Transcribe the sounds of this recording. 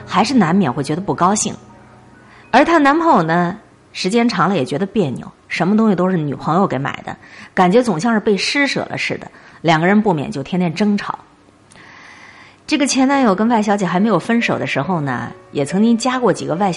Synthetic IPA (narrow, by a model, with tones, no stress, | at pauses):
xa˧˥ɪʂɻ̩˥˩na˧˥nmjɛ˨˩nxwɪt͡ɕɥɛ˧˥d̪ə˧pu˥˩kɑ˥ʊɕi˥˩ŋ | ə˞˧˥t̪ʰa˥na˧˥npʰo˥˨˩ʊnə˧ | ʂɻ̩˧˥t͡ɕjɛ˥nʈ͡ʂʰɑ˧˥ŋlə˧jɛ˨˩t͡ɕɥɛ˧˥d̪ə˧pjɛ˥˩nnjo̰˧˩˦ʊʂə˧˥nmət̪ʊ˥ŋɕi˧˩t̪o˥ʊʂɻ̩˥˩ny̰˨˩pʰɤ˧˥ŋjo˧ke˧˥ɪma̰˨˩ɪd̪ə̰˦ka˨˩nt͡ɕɥɛ˧˥t͡sʊ˨˩ŋɕjɑ˥˧ŋʂɻ̩˥˧pe˥˩ɪʂɻ̩˥ʂɤ̰˨˩lʔə̰˦ʂɻ̩˥˩d̪ə̰˩ljɑ˨˩ŋɡə˦ɻə˧˥npu˥˩mjɛ̰˨˩nt͡ɕjo˥˩t̪ʰjɛ˥nt̪jɛ˥˩nʈ͡ʂɤ˥ŋʈ͡ʂʰɑ̰˧˩˥ʊ | ʈ͡ʂɤ˥˩ɡə˩t͡ɕʰjɛ˧˥na˧˥njo˨˩ʊkə˥nwa˥˩ɪɕjɑ˧˥ʊt͡ɕjɛ˨˩xme˧˥ɪjo˨˩ʊfə˥nʂo˨˩ʊd̪ə˦ʂɻ̩˧˥xo˥˧ʊnə̰˩jɛ˨˩t͡sʰɤ˧˥ŋt͡ɕi˥ŋt͡ɕja˥kwɔ˥˩t͡ɕḭ˨˩ɡə˦wa˥˩ɪ